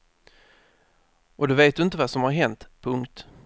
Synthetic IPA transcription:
ʔɔd̪oveːt̪̚d̪ɵɪnt̪əvasɔmhaɾɦɛnt̪pʰɵŋkt̪

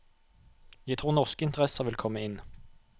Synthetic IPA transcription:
jæt̪ʰʁuːnɔʁskəɪnt̪əʁɛsəʁʋɪlkʰɔmːəɪn

